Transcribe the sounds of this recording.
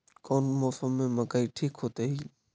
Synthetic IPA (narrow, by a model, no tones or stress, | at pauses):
kɔːnmɔːfəmẽməkaiʈʰiːkɦoːt̪eɦi